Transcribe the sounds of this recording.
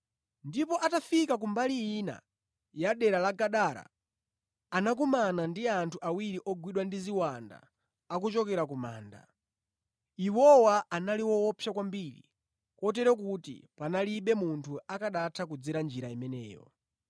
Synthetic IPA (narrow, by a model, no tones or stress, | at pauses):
ndipɔʔatafikak̬umbaliina̰ | jaɗɛɾalaɡaɗaɾa̰ː | nak̬umanandiantʰuawiɾiʔɔɡwiɗwandiziwanda̰ː | kut͡ʃɔkɛɾakuma̰ːnda̰ | iwɔwaanaliwɔɔpʰjakwambiɾḭ | kɔtɛɾɛkutḭpanaliɓɛmuntʰuakaɗatʰakud͡ziɾand͡ʒiɾaimɛnɛ̰ːjɔ̰